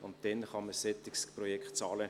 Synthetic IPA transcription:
ʊnt̚d̥ɛnχɑməsɛt̪ːɪksprɔjɛkχt̚t͡sɑːlə

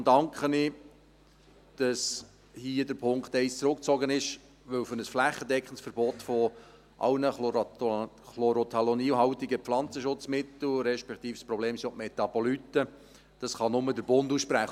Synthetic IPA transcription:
dɑŋkχənɪ | d̥ɑs | hiːədəɾpʰʊŋkχt̪ɛɪst͡sɾʊkt͡sɔɡənɪʃ | ʋɵwfɵɾnəsflæχːədɛkχən̩sfəɾb̥ɔt̪fɔ | ʔɑ̰wnə | χloɾot̪ʰɑlɔniːɦɑwtiɡəpflɑnt͡səʃʊt͡smɪt̪l̩ɾɛʃpɛkt̪iːfspɾɔbleːmsɔtmɛt̪ɑbɔlytə | d̥ɑsχɑnʊmədəɾbʊnduːsʃpɾæχ

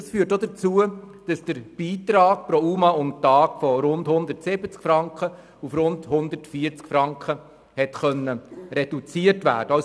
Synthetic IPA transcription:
ɑsfyːəɾtːodət͡suəd̥ɑsd̥əɾb̥iːtɾɑːk̚pɾɔumɑʊmtɑːɡ̥fɔɾʊndhʊnd̪ərtsɪbət͡skfɾɑŋkχə | ufɾʊndhʊnd̪ətfiːəɾt͡skfɾɑŋkχə | hɛtχœnːəɾɛd̥ut͡siətʋæ̰ːɾd̥əas

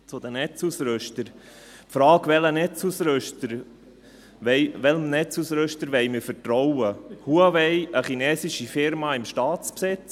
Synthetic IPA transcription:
t͡sʊd̪ənɛt͡susɾɵʃtəɾ | pfɾɑːkʋɛlənɛt͡susɾøʃtəɾ | ʋɛɪʋɛləmnɛt͡susɾɵʃtəɾʋɛɪjmɪfətɾɔwəhuaʋɛɪəχinɛːsiʃifɪɾmɑɪmʃtɑːt͡spsɪt͡s

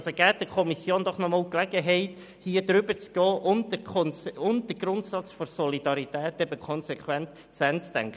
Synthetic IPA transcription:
soɡ̥ɛːt̚d̥əkʰɔmisjoːndɔχnɔmɑːlklɛɡəɦɛɪt | hiːədɾʏbət͡sɡ̥ɔːʔʊndəɔnsʊnd̥əɡɾʊntsɑt͡sfɔɾsɔlidɑɾitɛːtɛbəkʰɔnsekʰwɛnt | sɛnt͡stɛŋk

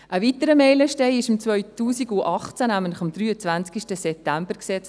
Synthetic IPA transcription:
ʔəʋit̪əɾəmɛɪləʃtɛɪɪʃɪmt͡svœʏtuːsiɡuʔɑχt͡sænæməntlə̥χɑmd̥̪ɾyːət͡sʋænt͡skiʃtəsɛp̚t̪æmbəɾksɛt͡s

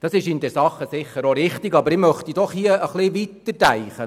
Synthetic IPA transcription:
d̪̥ɑsɪʃɪndɛɾsɑχːəsɪχːəɾoɾɪχtiɡɑbəɾɪmœχt̪id̥ɔχhiəəχlɪʋit̪ːəɾtæjχə

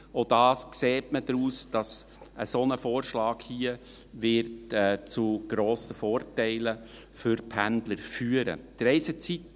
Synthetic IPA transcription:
od̥ɑːskseːtməd̥ɾuːsd̥ɑs | ʔə̰sonəfoːɾʃlɑːkhiə | vɪɾtɛːt͡suɡ̥ɾoːsəfoːrtɛɪlə | fʏɾpʰændləɾfyːəɾə̰d̥əɾɛɪsət͡sit

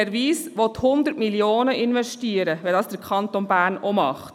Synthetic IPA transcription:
ɛɾʋiːsʋɔt̪hʊnd̪əɾtmiljoːnəʔɪnʋɛʃtiəɾəʋɛdɑːsd̥əɾkʰɑntɔnbæːɾnɔmɑ̰χt

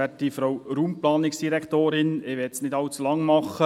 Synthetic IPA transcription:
ɛtːifɾowɾuːmplɑːnɪksd̥iɾɛkt̪oːɾɪnɪʋɛtsnɪdɑlt͡sulɑŋːmɑχə

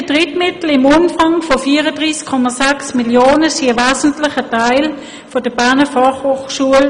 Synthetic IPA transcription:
ədʁɪtmɪtl̩ɪmʊnfɑŋfofiːəʁədʁiːskʰːɔmasɛksmiljoːnəsiəvɛːzn̩tlɪχətʰaɪl | fodəbæɐnəfɑχhoːχʃuəl

